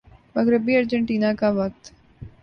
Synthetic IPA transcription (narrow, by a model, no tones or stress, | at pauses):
mɐɡɾɪbiɐɾd͡ʒəɳʈiːnakaʋɐk̚t̪